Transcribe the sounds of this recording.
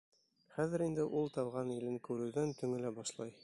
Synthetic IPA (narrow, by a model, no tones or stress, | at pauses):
χæðɘ̆ɾind̪ɘʔulˠt̪ɑwʁɑnilɘŋkʉɾɘ̆wðænt̪ɵ̆ŋɘ̆læbɒʃlˠɑj